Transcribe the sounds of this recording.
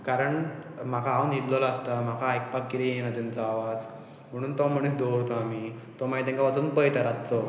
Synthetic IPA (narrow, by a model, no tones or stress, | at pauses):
kaɾəɳm̤akʰaɦaunɦit̪lɔlaəst̪am̤akʰaajk̚pakːit̪ijeñat̪int͡səaʋad͡z | m̤əɽ̃uːnt̪ɔm̤əɽ̃esd̪oɾt̪ʰoami | t̪ɔmaɦit̪̬ɛ̃ŋkaʋat͡sənpəjt̪aɾatt͡sɔ